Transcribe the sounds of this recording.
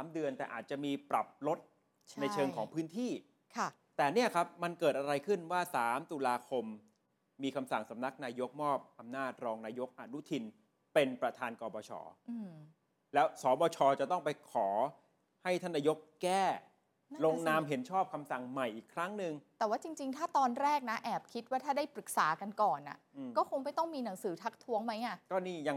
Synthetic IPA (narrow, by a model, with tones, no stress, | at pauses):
saː˩˦mdɯ˧ənt̪ɛː˨˩ʔaː˨˩t̪̚t͡ɕa˨˩miː˧pɾa˨˩p̚lo˦˥t̪̚ | t͡ɕʰna˧jt͡ɕʰɤː˧ŋkʰɔː˩˦ŋpʰɯː˦˥nt̪ʰiː˥˩ | kʰa˥˩ | t̪ɛː˨˩ni˥˩ɐkʰa˦˥p̚ma˧nkɤː˨˩t̪̚ʔa˧ɾa˧jkʰɯ˥˩nwaː˥˩saː˩˦mt̪u˧laː˧kʰo˧mː | iː˧kʰa˧msa˨˩ŋsa˩˦mna˦˥k̚naː˧jo˦˥k̚mɔː˥˩p̚ʔa˧mnaː˥˩t̪̚ɾɔː˧ŋnaː˧jo˦˥k̚ʔa˧nu˦˥t̪ʰi˧n | pe˧npɾa˧t̪ʰaː˧nkɔː˧bɔː˧t͡ɕʰɔ̰ː˧ | lɛː˦˥wsɔː˩˦bɔː˧t͡ɕʰɔː˧t͡ɕa˨˩t̪ɔ˥˩ŋpa˧jkʰɔː˩˦ | ha˥˩jt̪ʰa˥˩nːaː˧jo˦˥k̚kɛː˥˩ | lo˧ŋnaː˧mɦe˩˦nt͡ɕʰɔː˥˩p̚kʰa˧msa˨˩ŋma˨˩jʔiː˨˩kʰːɾa˦˥ŋnɯ˨˩ŋt̪ɛː˨˩waː˥˩t͡ɕi˧ŋt͡ɕi˧ŋt̪ʰaː˥˩t̪ɔː˧nɾɛː˥˩k̚na˦˥ʔɛː˨˩p̚kʰi˦˥t̪̚waː˥˩t̪ʰaː˥˩da˥˩jpɾɯ˨˩k̚saː˩˦ka˧nkɔː˨˩nʔa̰˨˩ʔɯː˧kɔː˥˩kʰo˧ŋp̬a˨˩jt̪ɔ˥˩ŋmiː˧na˩˦ŋsɯː˩˦t̪ʰa˦˥k̚t̪ʰu˦˥əŋma˦˥jʔa˥˩kɔː˥˩niː˥˩ja˧